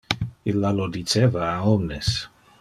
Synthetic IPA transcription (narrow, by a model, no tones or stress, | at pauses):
ilːalod̪it͡ʃevaːɔmnes